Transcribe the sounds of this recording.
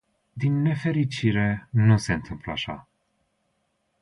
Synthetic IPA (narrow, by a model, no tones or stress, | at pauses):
d̪inːe̞fe̞ɾit͡ʃiɾe̞nuse̞ɨnt̪ʰɨmpləaʃa̰